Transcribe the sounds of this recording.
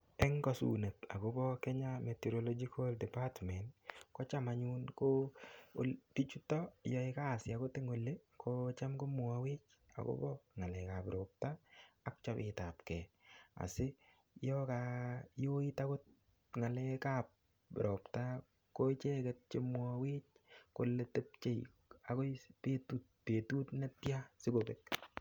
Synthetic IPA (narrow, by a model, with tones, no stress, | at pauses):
ɛŋkɔ˨sṵne˨ta̰˨ko˦bɔ˦kɛ˦ɲametɛɾolɔd͡ʒiko˦ldɛ˨patmɛ˨ntkɔ˦t͡ʃamaɲunko | tit͡ʃu˦tɔ˦jɔ˦ɪ˦ka˦˨sɪa˨ko˦te˦ŋo˨lːe˦kʰot͡ʃa˦mko˦mʊ˨a˨wɪ˦t͡ʃ | a̰˨ko̰bɔ˦ŋa˨le˨ka˨pɾo˨p̚taː˦k̚t͡ʃɔ˦pɪ̰ta˨pkɛ˨a̰˨sɪ˦ | jɔkajo˦i˦ta˦ko˦t̚ | ŋa˨lɛka˨p̚ | ɾopta | ko˦t͡ʃe˦kɛ˨t̚t͡ʃe˦m˦awe˦t͡ʃ̚ko˨lːete˦p̚t͡ʃe˦j | a˨ko˦pe˦tut̚pe˨tu˦tna˦tja˦sɪ˦kobek̚